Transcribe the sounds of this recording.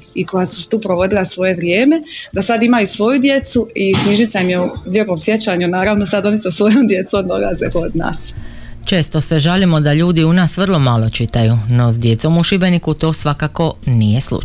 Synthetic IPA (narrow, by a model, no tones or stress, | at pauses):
iko̞jasu̥st̪uːpɾoʋo̞d̪ilˠasʋo̞je̞ʋɾjeːme̞d̪asad̪imajusʋo̞jud̪je̞t̪suikɲiʒnit̪saimjeuʎʲeːpo̞msje̞t͡ɕaɲunaːɾaʋno̞sad̪o̞nisesʋo̞jomd̪jet̪somd̪olazekod̪na̰ːs | t͡ʃe̞ːst̪o̞se̞ʒalimo̞d̪aʎuːd̪iunaːsʋr̩lˠo̞malˠo̞t͡ʃit̪ajuno̞zd̪je̞t̪so̞muʃibe̞nikut̪o̞ːsʋakako̞nije̞slṵ